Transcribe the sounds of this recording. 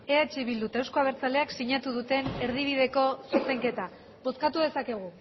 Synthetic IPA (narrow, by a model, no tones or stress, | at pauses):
e̞at͡ʃiβild̪ut̪ewskoaβe̞ɾt͡sale̞aksiɲat̪uðut̪e̞ne̞ɾð̞iβ̞iðe̞ko̞suse̞ŋke̞t̪a | bo̞skat̪uðe̞sake̞ɣ̞u